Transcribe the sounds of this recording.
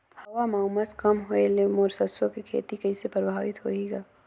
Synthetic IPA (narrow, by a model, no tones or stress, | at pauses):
hɐwamaʊməskɐmɦoelemoːɾsəsokikʰḛːt̪ikɐisepɾəbʱaːʋɪt̪ɦoiɡaː